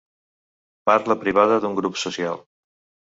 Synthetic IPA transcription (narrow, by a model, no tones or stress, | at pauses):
paɾləpɾiβ̞aðəðuŋɡɾupsusia̰lˠ